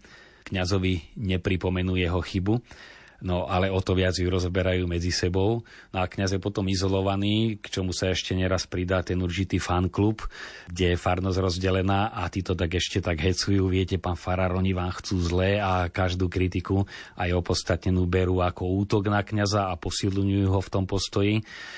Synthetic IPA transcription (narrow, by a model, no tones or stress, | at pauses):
kɲazɔʋiɲɛpɾipɔmɛnuːjɛɦɔxibu | nɔʔalɛɔt̪ɔʋɪad͡zjuɾɔzɔbɛɾajuːmɛd͡zisɛbɔʊnɔakɲazjɛpɔt̪ɔmizɔlɔʋaniːkt͡ʃɔmusaɛʃcɛɲɛɾaspɾid̪aːt̪ɛnurʒit̪iːfanklupɡɟɛjɛfaɾnɔzɾɔzɟɛlɛnaːʔat̪iːt̪ɔt̪aɡɛʃcɛt̪aɡɦɛt͡sujuːʋɪɛcɛpaːnfaɾaɾɔɲiʋaːmxt͡suːzlɛːakaʒd̪uːkɾit̪ikuajɔpɔt̪st̪at̪ɲɛnuːbɛɾuːakɔuːt̪ɔɡnakɲazaːpɔsilɲujuːɦɔft̪ɔmpɔst̪ɔji